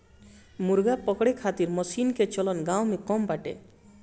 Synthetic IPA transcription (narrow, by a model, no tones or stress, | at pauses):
muɾɡapɔkɽekʰat̪iɾmɔsinket͡ʃɔlɔnɡawmekɔmbaʈḛ